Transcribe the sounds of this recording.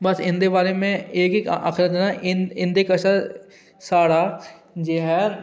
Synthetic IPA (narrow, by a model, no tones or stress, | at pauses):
bɐsɪ̃nd̪ebaːɾemẽeːkeka̰kʰɾət̪ːnaʔɪ̃nd̪ekəʃa | saːɽa | d͡ʒeːɦɛː